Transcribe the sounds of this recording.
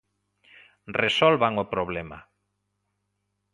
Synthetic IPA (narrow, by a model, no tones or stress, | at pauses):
resɔlβaŋopɾoβlɛma̰